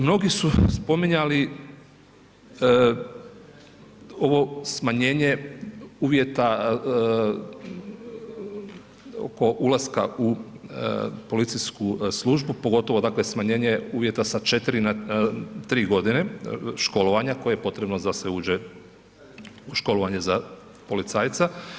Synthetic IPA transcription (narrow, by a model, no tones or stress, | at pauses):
mno̞ɡisuspo̞miɲali | o̞ʋo̞smaɲe̞ːɲe̞uːʋjet̪a | o̰ko̞ʔulaska̰u | po̞lit̪siskuslˠuːʒbupo̞ɡo̞t̪o̞ʋo̞d̪aːklesmaɲe̞ːɲeuːʋje̞t̪asat͡ʃe̞t̪ɾinat̪ɾiːɡo̞d̪ineʃko̞loʋaɲakojejepo̞t̪ɾe̞bnod̪aseuːd͡ʒe | uʃko̞loʋaɲe̞za | po̞lit̪saːjt̪sa